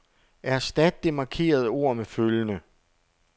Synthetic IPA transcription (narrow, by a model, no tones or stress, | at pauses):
ʔæɐsd̥æd̥̚ːe̝mɑ̈kʰe̝̰ːɐð̞ˠəo̝ɐ̰meføljənə